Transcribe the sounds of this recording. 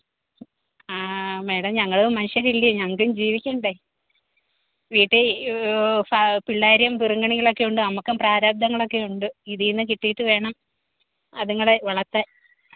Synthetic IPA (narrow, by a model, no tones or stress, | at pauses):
aːme̞ːɽɐmɲɐŋːɐɭumɐniɕjɐɾilːiɐɲɐŋːɐkːumd͡ʑiːʋikʲːɐuɳɖe | ʋiːʈːe | fapiɭːaːɾjɐmpiruŋɡɐɳiɣɐɭo̞kːe̞juɳɖɨnɐmukːɐmpraːɾaːb̚d̪ʱɐŋːɐɭo̞kːe̞juɳɖɨiðinːɨkiʈːijiʈːɨʋe̞ːɳɐm | ɐðuŋːɐɭeʋɐɭɐt̪ːa